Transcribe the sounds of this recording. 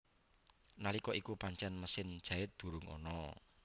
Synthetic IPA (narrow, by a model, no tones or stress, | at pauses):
nalikɔʔikupaɲt͡ʃɛnməsɪnd̥ʒ̥a̤ɪt̪̚d̪̥ṳɾʊŋɔ̰nɔ